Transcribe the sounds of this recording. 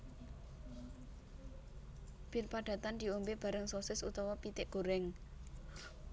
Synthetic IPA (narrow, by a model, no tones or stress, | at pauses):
b̥irpaɖ̥ä̤t̪and̪i̤ombeb̥a̤ɾəŋsosɪsut̪ɔwɔpit̪ɪʔɡ̥oɾɛŋ